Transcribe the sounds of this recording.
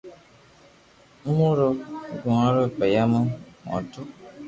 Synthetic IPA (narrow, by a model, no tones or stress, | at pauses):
m̩muɾoɡuŋaɾopajaməmɔ̰̃tu